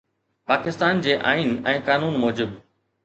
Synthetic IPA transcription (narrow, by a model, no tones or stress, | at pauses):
paːkɪst̪aːnd͡ʑeːʔaːinɛ̃ːkaːnuːnmɔːd͡ʑɪb